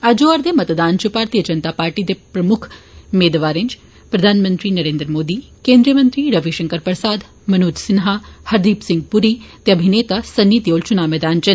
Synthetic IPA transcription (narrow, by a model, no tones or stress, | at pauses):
ɐd͡ʒoaɾd̪emɐt̪d̪aːnt͡ʃupaːɾt̪iːjəd͡ʒɐnt̪aːpaːɾʈid̪epɾɐmʊkʰmeːd̪ʋaːɾent͡ʃ | pɾɐd̪ʱaːnmənt̪ɾinɐɾeːnd̪ɾəmoːd̪iːkẽːnd̪ɾijəmənt̪ɾiɾɐʋiʃɐŋkəɾpɾəsaːd̪ | mɐnuːd͡ʒ̪sɪnɦahɐɾd̪iːpsɪŋɡ̚puɾit̪eɐbʱineːt̪asɐnːiːt̪joːlt͡ʃunaːmeːd̪aːnt͡ʃɐn